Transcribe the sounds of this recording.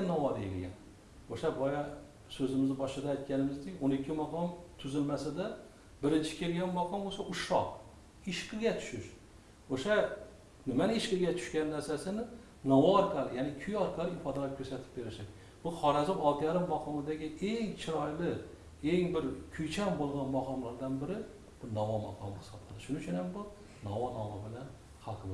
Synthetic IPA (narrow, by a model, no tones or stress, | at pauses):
nɒwɒd̪ajḛlʲɡʲa̰n | oʃabɒja | sɵzɪmɪzbɒʃɪd̪aːjt̪̚kʲanɪmɪzd̪ɪkʲonɪkʲʰːɪmaqʰɒmt̪ʰʊzɪlmasad̪a | bɪɾɪnt͡ʃʰɪ̥kʲʰe̞lɡʲanmaqʰɒmbosaʔʊʃɒh | ɪʃqɨɡʲat̪ʰʊ̥ʃɪʃ | oʃa | nɪmanɪeʃqɨɡʲat̪ʰʊ̥ʃkʲanːæɾsasɪnɪ | nɒwɒːɾqʰɑlɪjanɪkʲʰʊjɒɾqʰɑlɪɪfɒd̪akʲʰɵɾsat̪ʰɪ̥p̚be̞ɾɪʃad̪ | b̥ʊχɒɾazɪɒlˠt̪ʰɪjaɾɪmːaqʰɒmɪd̪aɡʲɪʔeŋt͡ʃʰɪɾɒjlɪ | e̞ŋbɪɾkʲʰʊjt͡ʃʰambolˠʁɑnmaqɒmlaɾd̪anbɪɾɪ | b̥ʊnɒwɒma̰qʰɒmɪhɪ̥sɒplʰɨlˠd̪ɪʃʊnɪʊt͡ʃʰʊnhambʊ | nɒwɒnɒwɒbɪlan | hɑlˠqʰɨb